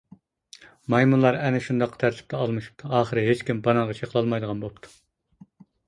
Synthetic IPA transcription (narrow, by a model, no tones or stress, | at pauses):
mɑjmunlˠɑɾɛnɪʃund̪ɑqːə̥t̪ʰæɾt̪ʰɪ̥p̚t̪ʰɛɑlˠmɨʃu̥p̚t̪ʰuɑːχəɾɨɦet͡ʃkʲimbɑnəŋʁɑt͡ʃʰeqʰəlˠɑlˠmɑjd̪əʁɑnbolˠp̚t̪ʰu̥